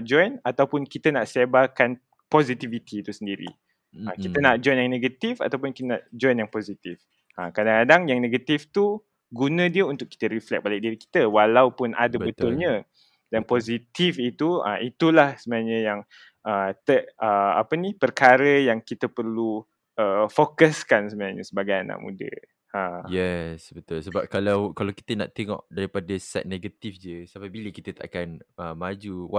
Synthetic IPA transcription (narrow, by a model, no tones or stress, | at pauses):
ʔd͡ʒɔjnat̪awpʊnkit̪ənaʔsebakan | pozit̪ivit̪ʰit̪usəndiɾḭ | akit̪ənaʔd͡ʒɔjnjaŋneɡət̪ifa̰t̪awpʊnkit̪ənaʔd͡ʒɔjnjaŋpozit̪if | akadaŋkadaŋjaŋneɡat̪ift̪u | ɡunə̃diəunt̪ʊk̚ːi̥t̪əɾiflɛk̚balik̚diɾiki̥t̪əwalawpʊnʔa̰dəbət̪ʊlɲə̃ | danpozit̪ifit̪uə̰it̪ulahsəmnaɲə̃jaŋ | ʔət̪əʔəa̰pənipərkaɾəjaŋkit̪əpərlu | ʔəfokəskansəmənaɲə̰səbaɡajana̰ʔmṵdə̰ | əjɛsbət̪ʊlsəbap̚kalawkalawki̥t̪əna̰ʔt̪eŋɔ̰ʔdaɾipadəsɛ̰t̪̚neɡat̪ifd͡ʒəsapabiləkit̪ət̪a̰ʔkanəmad͡ʒuw